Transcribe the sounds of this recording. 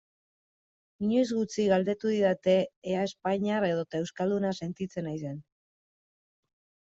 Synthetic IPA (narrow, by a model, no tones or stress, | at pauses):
iɲo̞jzɣut͡siɣald̪e̞t̪uðiðat̪e̞ːae̞spaɲaɾe̞ðot̪ae̞wskald̪unase̞nt̪it͡se̞najse̞n